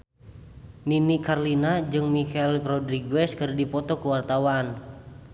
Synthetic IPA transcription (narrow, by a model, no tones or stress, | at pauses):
ninikarlinad͡ʒɨŋmikɛlkɾɔdɾiɡuɛskɨrdipɔt̪ɔkuwart̪awan